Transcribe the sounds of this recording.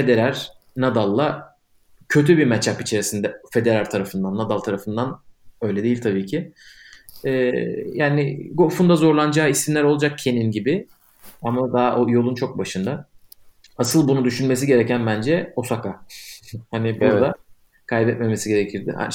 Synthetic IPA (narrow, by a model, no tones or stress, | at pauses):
fe̞d̪e̞ɾæɾ | nad̪alˠːa | cʰø̞t̪ʰybiɾmɛt͡ʃʰapit͡ʃʰe̞ɾisind̪ɛfe̞d̪e̞ɾaɾʲt̪ʰaɾafɯnd̪anːad̪alˠt̪ʰaɾafɯnd̪anø̞jlʲɛd̪ejilʲt̪ʰabiːcʰɪ | ɛːjaːnɪɡo̞fund̪azo̞ɾlˠand͡ʒaːisimlʲæɾo̞lˠad͡ʒak̚cʰe̞ninɟibɪ | amad̪aːʔojo̞lˠunt͡ʃʰo̞k̚baʃɯnd̪a | asɯlˠbunud̪yʃynme̞siɟe̞ɾɛcænbænd͡ʒɛosaka | hanɪbuɾd̪a | kʰajbɛt̪me̞me̞siɟe̞ɾecʰiɾd̪ɪ̰ha̰